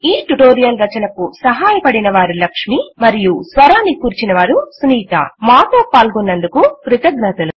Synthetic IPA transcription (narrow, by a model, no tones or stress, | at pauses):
iːʈuʈoːɾijɐlɾɐt͡ʃɐnɐkusɐɦaːjɐpɐɽinɐʋaːɾulɐkʂmimɐɾijusʋɐɾaːnːikuːɾt͡ʃinɐʋaːɾusuniːt̪ɐ̰maːt̪o̞ːpaːlɡunːɐnd̪ukukɾit̪ɐɡnɐt̪ɐlu